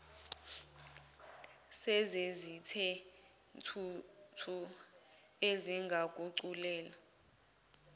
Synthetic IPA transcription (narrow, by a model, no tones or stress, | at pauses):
sɛzezitʰɛ | ntʰutʰu | eziŋɡʱakʼuǀulɛːla